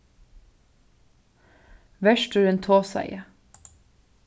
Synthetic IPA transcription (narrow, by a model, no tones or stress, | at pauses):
ʋæʃʈʉeːnt̪ʰoːsæ̰ɪə